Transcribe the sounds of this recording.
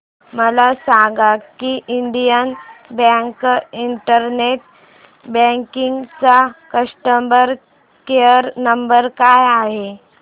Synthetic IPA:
məlasaɡakiʔiɳɖijənbɛ̃ŋkiɳʈəɾneʈ̚ | bə̃ŋkiŋɡt͡sakəʂʈəmbəɾ | kejəɾnəmbəɾkajaɦe

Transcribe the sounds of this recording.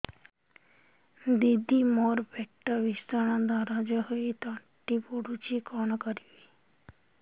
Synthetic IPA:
d̪id̪ʱimɔɾbɛʈːabist̪ʰaɽad̪aɾad͡ʒɔɦoit̪ɔ | ʈipoɽut͡ʃikɔnɔkɔɾibi

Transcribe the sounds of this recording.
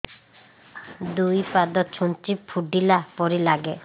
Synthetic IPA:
d̪ujpad̪ɔt̪̚t͡ʃʰuntipʰuɖilapɔɾilaɡe

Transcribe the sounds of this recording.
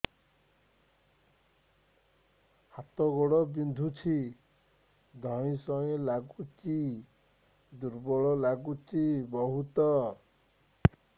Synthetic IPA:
hat̪ɔɡɔɽɔbind̪ʱut͡ʃʰi | d̪ʱɔj̃sɔẽlaɡut͡ʃi | d̪uɾbɔɭɔlaɡut͡ʃibɔɦut̪ɔ

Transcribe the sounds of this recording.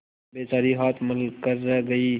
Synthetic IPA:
beːt͡ʃaːɾiɦaːt̪ʰməlkəɾːɐɡɐiː

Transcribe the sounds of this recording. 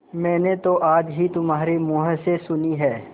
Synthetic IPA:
mɛ̃ːnet̪oʔaːd͡ʒɦit̪ʊmɦaːɾemoːɦəsesʊniɦɛː

